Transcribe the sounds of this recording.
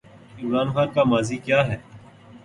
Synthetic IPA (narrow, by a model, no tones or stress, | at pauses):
ɪmɾaːnxaːnkamaːziːkjaːɦɛː